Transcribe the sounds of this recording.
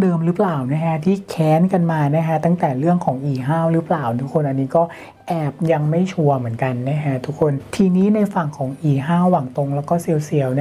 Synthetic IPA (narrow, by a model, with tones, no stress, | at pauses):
dɤː˧mɾɯ˦˥plaː˨˩wna˦˥kʰa˦˥t̪ʰiː˥˩kʰɛː˨˦˥nka˧nmaː˧na˦˥kʰa˦˥t̪a˥˩ŋt̪ɛː˨˩ɾɯ˥˩əŋkʰɔː˩˦ŋʔiː˨˩ɦaː˥˩wɾɯ˦˥plaː˨˩wt̪ʰu˦˥kʰːo˧nʔa˧nːiː˦˥kɔː˥˩ | ʔɛː˨˩p̚ja˧ŋma˥˩jt͡ɕʰu˧ɐmɯ˨˩˦ə˦nka˧nːa˦˥kʰa˦˥t̪ʰu˦˥kʰːo˧nt̪ʰiː˧niː˦˥na˧jfa˨˩ŋkʰɔː˩˦ŋʔiː˧˩ɦaː˥˩wːa˨˩ŋt̪o˧ŋlɛː˦˥wkɔː˥˩si˧əwsi˩˦əwn˦˥